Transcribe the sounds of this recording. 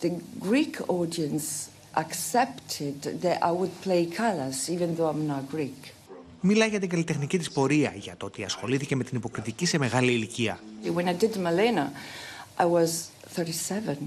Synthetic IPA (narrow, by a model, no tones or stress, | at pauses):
ðɨɡɹikʰɔdiə̃ns | ʔəksɛptʰɪd̪ðɨɾa̰ɪwəd̚pʰl̥eɪkʰaləsivɨ̃nðoʊãɪ̃mnət̚ɡ̥ɹik | milɐʝɐt̪iŋɡɐlit̪exnicit̪ispo̞ɾiɐʝɐt̪oot̪iɐsxo̞liθice̞me̞t̪inipo̞kɾit̪icise̞me̞ɣaliːliciɐwə̃naɪdɨd̚təməlẽnəʔaɪwʌz̥θɜ˞ɾisɛvə̃n